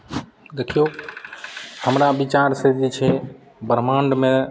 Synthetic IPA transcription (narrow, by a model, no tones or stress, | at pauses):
d̪ekʰijo | həmɾabit͡ʃaɾsəɾd̪it͡ʃʰe | bəɾmãɳɖmẽ